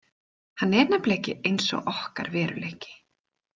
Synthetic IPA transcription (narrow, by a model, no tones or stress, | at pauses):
hanːɛɾnapleːjcɪʔejnsɔ̰ɣʔɔhka̰ɾvɛːɾʏlehcɪ̥